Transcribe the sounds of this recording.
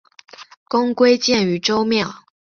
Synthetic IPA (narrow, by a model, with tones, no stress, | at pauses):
kʊ˥ŋkwe˥ɪt͡ɕjɛ˥˩ny˨˥ʈ͡ʂo˥ʊmjɑ˥˨ʊ